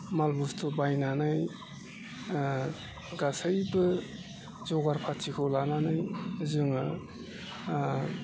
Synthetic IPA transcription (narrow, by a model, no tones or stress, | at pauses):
malbustʰobajnanaj | ɡasajbɯ | zɔɡaɾpʰatikʰolananajzɯŋɯ